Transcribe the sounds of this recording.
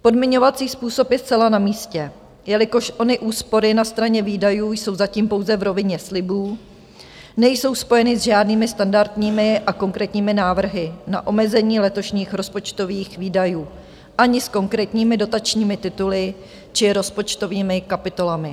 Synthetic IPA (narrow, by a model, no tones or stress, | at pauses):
po̞dmɪɲo̞vat͡siːspuːso̞pjɛstt͡sɛlanamiːscɛ | jɛlɪko̞ʃʔo̞nɪʔuːspo̞ɾɪnast̪ɾaɲɛviːdajuːjso̞wzaciːmpo̞wzɛvɾo̞vɪɲɛslɪbuː | nɛjso̞wspo̞jɛnɪzʒaːdniːmɪst̪andaɾt̪ɲiːmɪʔako̞ŋkɾɛːt̪ɲiːmɪnaːvr̩ɦɪna̰ʔo̞mɛzɛɲiːlɛt̪o̞ʃɲiːxɾo̞spo̞t͡ʃt̪o̞viːxviːdajuː | ʔaɲɪsko̞ŋkɾɛːt̪ɲiːmɪdo̞t̪at͡ʃɲiːmɪt̪ɪt̪ulɪ | t͡ʃɪɾo̞spo̞t͡ʃt̪o̞viːmɪkapɪt̪o̞lamɪ